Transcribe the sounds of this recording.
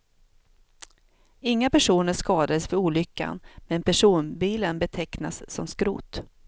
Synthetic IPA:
ɪŋːapæʂuːnəʂkɑːd̪ad̪əsfœɾuːlʏkːa̰nmɛnpʰæʂuːnbiːlənbɛt̪ʰɛkna̰sːɔmskɾṵːt̪

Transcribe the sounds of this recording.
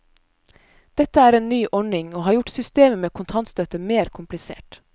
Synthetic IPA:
d̪̥ɛt̪əæːɾeːnnyːʔɔɳɪŋoːhɑːɾjʊʈsʏst̪eːməmeːkʰʊnt̪ʰɑnt̪st̪œt̪əmeːɾkʰʊmplɪsḛːʈ

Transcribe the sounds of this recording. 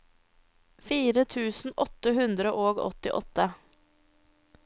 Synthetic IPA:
fiːɾət̪ʰʉːsn̩ʔɔt̪ːəɦʉnd̪ɾəʔoːɡɔ̰t̪ɪʔɔ̰t̪ːə

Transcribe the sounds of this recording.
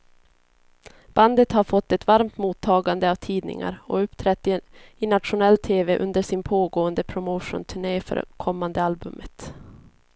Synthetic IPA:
b̥and̪ət̪haɾfɔt̪ːɛt̪vaɾmt̪muːt̪ʰːɑːɡand̪əavt̪ʰiːd̪nɪ̰ŋa̰ɾɔɵpːt̪ʰɾɛt̪ːɪɪnat̪ɧʊnɛlːt̪ʰeːvɛʔɵ̰nd̪əʂɪnpʰoːɡoːənd̪əpʰɾʊmoːʂʊ̰nt̪ʰɵɳeːfœ̰ɾ̰kʰɔmːand̪əalbɵ̰mət̪

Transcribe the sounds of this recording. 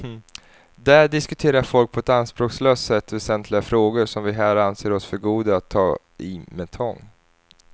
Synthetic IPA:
d̪æɖɪskɵt̪ʰeːɾaɾfɔlk̚pʰɔɛt̪anspɾoːksløːst̪sɛt̪ːvɛsɛnt̪ʰlɪɡafɾoːɡʊʂɔmvɪɦæːɾanseːɾɔsfœɾɡuːd̪aat̪ʰːɑː | ɪmɛt̪ʰɔŋː

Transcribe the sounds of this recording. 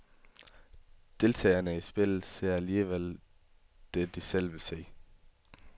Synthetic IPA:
d̥e̝lt͡sʰɛ̰ːɐnəisb̥e̝l̰̩se̝ɐ̰æliːʋel | d̥ed̥isel̰ʋelse̝̰ː

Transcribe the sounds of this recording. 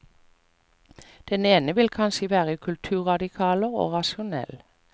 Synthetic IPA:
d̪̥ɛneːnəʋɪlkʰɑnʃəʋæːʁəkʰʉlt̪ʰʉːʁɑd̪ɪkʰɑːləʁo̰ːʁɑʃʊnɛ̰l

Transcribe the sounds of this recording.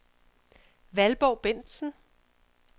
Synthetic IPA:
ʋælb̥ɒʊ̰b̥en̰d̥sn̩

